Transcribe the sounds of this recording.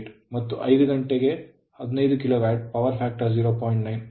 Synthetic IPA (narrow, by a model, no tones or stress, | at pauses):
ʈmɐt̪ːuʔɐjd̪uɡɐɳʈeɡe̞ | ɐd̪inɐjd̪ukiloːʋaːɾʈ̚pɐʋɐɾpʰaːk̚ʈɐɾd͡ʒiːɾoːpoːjɳʈnɐjn